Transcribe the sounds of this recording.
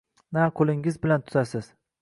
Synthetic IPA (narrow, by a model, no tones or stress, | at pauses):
naqʰolɪŋɪzbɪlant̪ʰʊ̥zasɪz̥